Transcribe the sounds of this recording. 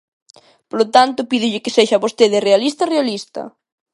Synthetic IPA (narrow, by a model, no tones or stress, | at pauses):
polot̪ant̪ʊpiðɪʎɪkeseʃaβost̪eðɪrealist̪ɐrealist̪ɐ̰